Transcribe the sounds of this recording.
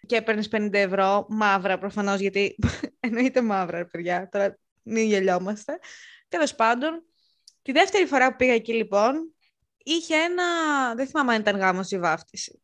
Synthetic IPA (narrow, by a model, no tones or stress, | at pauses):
cepeɾnispe̞nĩnd̪ɐevɾo̞mɐvɾɐpɾofɐno̞zʝɐt̪ieno̞it̪e̞mɐvɾɐɾepiðʝɐt̪o̞ɾɐ | miɲʝeʎo̞mɐst̪e̞t̪e̞lo̞spɐnd̪o̞n | t̪iðe̞ft̪e̞ɾifo̞ɾɐpupiɣɐecilipo̞n | içeenɐðeθimɐmeɐnit̪ɐŋɣɐmosivɐft̪isi̥